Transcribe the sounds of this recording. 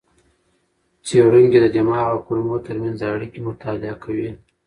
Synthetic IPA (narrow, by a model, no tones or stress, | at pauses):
t͡seɽuŋɡed̪əd͡ʒamɑaɣakuɾmot̪əɾmanzaaɽikemʊt̪ʰɑlɪakʰawi